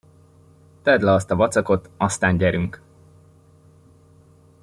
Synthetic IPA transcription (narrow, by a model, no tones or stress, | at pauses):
t̪ɛd̪lɛɒst̪ɒvɒt̪sɒko̞t̪ɒst̪aːɲɟɛɾyŋk